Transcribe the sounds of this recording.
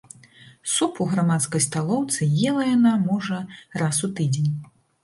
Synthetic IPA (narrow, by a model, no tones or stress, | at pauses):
supuɣɾamat̪skɐjst̪alˠɔwt̪sɨjɛlˠɐjanamɔʐɐrasut̪ɨd͡zʲenʲ